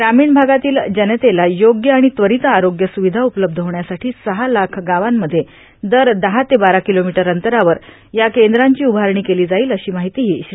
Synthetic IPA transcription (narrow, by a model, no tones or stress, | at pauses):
ɡɾamiːɳbʱaɡat̪iːld͡ʑənət̪elajoɡjəaɽ̃it̪ʋəɾit̪aɾoɡjəsuʋid̪ʱaupələb̚d̪ʱɦoʋɳjasaʈʰiːsəɦalakʰɡaʋamːəd̪ʱːje | d̪əɾd̪əɦat̪ebaɾakilomiʈəɾənt̪əɾaʋəɾ | jakend̪ɾaɲt͡ɕiːubʱaɾɳ̃iːkeliːd͡zaiːləɕiːmaɦit̪iːɦiːɕɾ